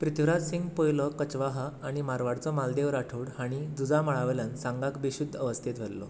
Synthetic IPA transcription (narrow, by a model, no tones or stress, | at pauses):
pɾit̪ʋɾad͡z̪siŋɡpojlɔkət͡ɕʋaɦaːɽ̃imaɾʋaɽt͡sɔmald̪eʋɾaʈʰuɽhaɽ̃id͡zud͡zaməɭaʋljansãŋɡakbiɕud̪ʱːəʋəst̪ʰet̪ʋ̤elːɔ̰